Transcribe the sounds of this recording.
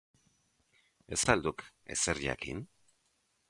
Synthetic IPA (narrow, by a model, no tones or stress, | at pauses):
e̞sald̪uke̞̰seɾʎa̰kḭn